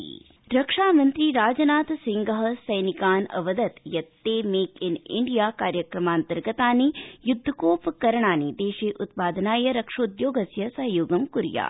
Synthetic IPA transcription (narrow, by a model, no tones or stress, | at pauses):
ɾɐkʂaːmɐnt̪ɾiɾaːd͡ʒɐnaːt̪siŋɡɐɦɐsɐjnikaːnɐ̰ʋɐd̪ɐt̪jɐt̪ːeːmeːkinḭɳɖijaːkaːɾjɐkɾɐmaːnt̪ɐɾɡɐt̪aːnijud̪ʱːkoːpkɐɾɐɳ̃aːnid̪eːʃeːʔut̪paːd̪ʱɐnaːjɐɾɐkʂoːd̪joːɡɐsjɐsɐɦɐjoːɡɐmkuɾja̰ː